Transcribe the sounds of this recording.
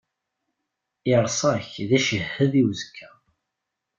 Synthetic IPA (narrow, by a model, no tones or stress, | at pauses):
ɪɾˤsˤɑçðæʃəhːəðiwzəkʰːæ